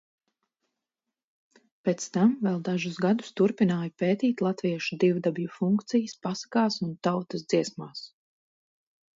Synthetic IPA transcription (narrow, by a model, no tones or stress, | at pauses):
peːt̪st̪amvɛlˠd̪aʒusɡad̪u̥st̪uɾpinaːjapeːt̪iːt̪lˠat̪viɛʃud̪ivd̪abijufuŋkt̪sijəspasḁkaːsunt̪awt̪əsd̪ziɛsmaːs